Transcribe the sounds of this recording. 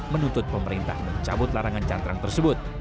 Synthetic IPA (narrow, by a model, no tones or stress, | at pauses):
mənut̪ʊt̪̚pəməɾint̪a̰hməɲt͡ʃabʊt̪̚laɾaŋant͡ʃant̪ɾaŋt̪ərsəbʊt̪̚